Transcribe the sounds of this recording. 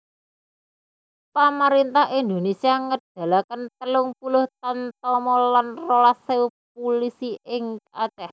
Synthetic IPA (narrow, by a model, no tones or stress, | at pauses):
paməɾint̪ahind̪o̤nesiaŋəd̥a̤lakənt̪əlʊŋpulʊht̪ant̪ɔmɔlanrolasewp̚ulisiʔɪŋkat͡ʃɛh